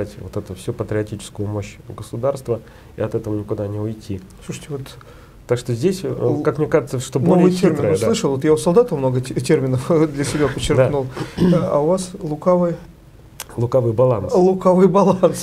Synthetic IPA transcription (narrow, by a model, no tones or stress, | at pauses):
atʲvot̪ɛt̪ʊfsʲupət̪ɾʲɪɐtʲit͡ɕɪ̥skʊjʊmo̞ɕɡəsʊd̪arst̪və | ḭɐt̪ɛt̪əvənʲɪkʊd̪anʲɪʊjtʲi | sluʂə̥tʲɪvot̪ | t̪ːakʂt̪ozʲdʲesʲkakmnʲekaʐɨt̪səʂt̪onoolʲjvɨjtʲermʲnəʊəslˠɨʂəlˠvot̪jaʊsɐlˠd̪at̪əfmnoɡətʲermʲɪnəfd̪lʲəsʲɪbʲæpət͡ɕːɪrdaknulˠɐ̰ʊvaslˠʊkavɨj | lˠʊkavɨjbɐlˠanlˠʊkavɨjbɐlˠans